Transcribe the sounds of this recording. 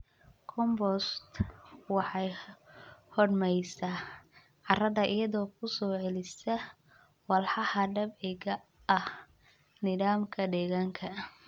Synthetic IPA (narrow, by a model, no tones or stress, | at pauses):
kʰɔmbɔst̪wɑħɑj | hɔɖmɛjsɐ | ʕɑrɐðɐʔɪjɐðɔːkʰʊsɔːʕɛlɪsɐ | wɑlħɑhɐɖɐbʕɪɣɐː | h | nɪðaːmkʰɐd̪ɛːɣaːŋkʰɐ